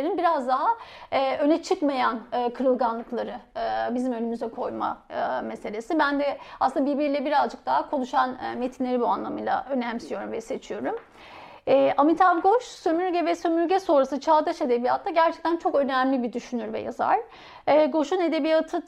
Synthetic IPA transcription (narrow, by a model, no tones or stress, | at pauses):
eɾinbiɾazd̪aɦaːø̞nɛt͡ʃʰɯkmajanːkʰɯɾɯlˠɡanlˠɯklˠaɾɯːbizimø̞lʲymyzɛkʰo̞jma̰me̞se̞lʲe̞sibænd̪ɛasɯnd̪abiɾbiɾilʲɛbiɾazd͡ʒɯk̚d̪̥aɦakʰo̞lˠuʃanːme̞t̪ʰinʲe̞ɾibua̰nlˠamɯjlˠa̰ʔø̞næmsijo̞ɾumvɛse̞t͡ʃʰijo̞ɾum | ɛːʔamit̪ʰabɡo̞ʃsømyɾɟɛvɛsømyɾɟɛso̞nɾasɯt͡ʃʰaːd̪aʃe̞d̪e̞bijat̪ʰlːˠaɟæɾt͡ʃʰɛ̥c̚t̪ʰænt͡ʃʰo̞kø̞næmlʲibid̪yʃynyɾvɛ̰ja̰za̰ɾ̥ː | ɡo̞ʃune̞d̪e̞bijat̪ʰɯ